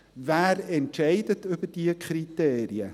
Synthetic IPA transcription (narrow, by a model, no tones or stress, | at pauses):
væːrɛnɛjdətəpədiəkriteːɾiə